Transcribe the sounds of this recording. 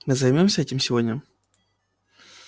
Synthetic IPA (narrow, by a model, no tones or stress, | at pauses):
mɨzɐjmʲomsʲəɛtʲɪmsʲɪvodʲnʲə